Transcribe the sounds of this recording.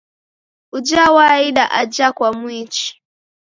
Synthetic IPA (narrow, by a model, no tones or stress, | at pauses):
ud͡ʒawaiɗaʔad͡ʒakwamwit͡ʃi̥